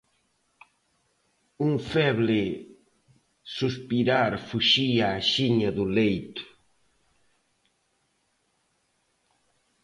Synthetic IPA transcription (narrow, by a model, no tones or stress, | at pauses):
uŋfɛβlɪ | suspiɾaɾfuʃiaːʃiɲɐðʊlejt̪ʊ̥